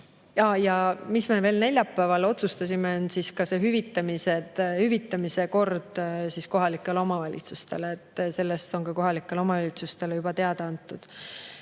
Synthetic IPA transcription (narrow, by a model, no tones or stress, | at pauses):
jɑjɑmisme̞ve̞ːlne̞lʲjɑpːˑæːvɑlo̞t̪sust̪ɑsʲimeonsiskɑseɦyvit̪ːˑɑmisehyvit̪ːˑɑmise̞ko̞rd̪̥sisko̞ɦɑlikːˑe̞leo̞mɑvɑlʲḭt̪sust̪e̞leːt̪ːse̞lːe̞st̪o̞nkɑko̞ɦɑlikːˑe̞leo̞mɑvɑlʲit̪sust̪e̞lejub̥ɑt̪e̞ɑd̪ɑɑnt̪ːˑud̪̥